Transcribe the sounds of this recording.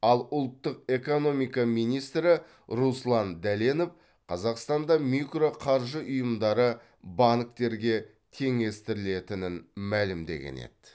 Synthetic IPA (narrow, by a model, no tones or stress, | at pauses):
ɑlˠʊlˠt̪ːəq̚e̞ko̞no̞mijkɑmijnijst̪ɾɪ | ɾuslˠɑnd̪æleno̞f | qʰɑzɑqst̪ɑnd̪ɑmikro̞qʰɑɾʒəʔʊjəmd̪ɑɾə | bɑnk̚t̪e̞ɾɡʲe̞ | t̪ʲʰe̞ŋe̞st̪ɪɾɪle̞t̪ɪnɪnmælɪmd̪e̞̰ɡʲḛne̞̰d̪̥